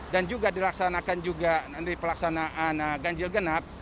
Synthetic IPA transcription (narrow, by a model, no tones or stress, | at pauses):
dand͡ʒuɡadilaksanakand͡ʒuɡaaipəlaksanaʔanəɡaɲd͡ʒɪlɡənap̚